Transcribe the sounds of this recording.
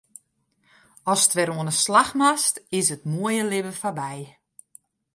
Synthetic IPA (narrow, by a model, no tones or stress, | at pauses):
ɔstʋɛɾoənəslaxmastɪs̬ətmuəjəlɪbəfabɛj